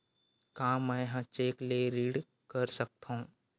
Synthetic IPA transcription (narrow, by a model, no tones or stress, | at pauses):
kãːmɛ̃ːɦãt͡ʃeːkleɾiːɽ | kəɾsək̚t̪ɦõː